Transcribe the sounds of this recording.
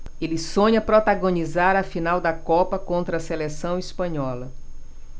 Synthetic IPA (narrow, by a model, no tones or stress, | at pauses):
elɪsõɲɐpɾot̪aɡõnizaɾɐfinawd̪ɐkɔpɐkõnt̪ɾɐselesɐ̃w̃ispɐ̃ɲɔlɐ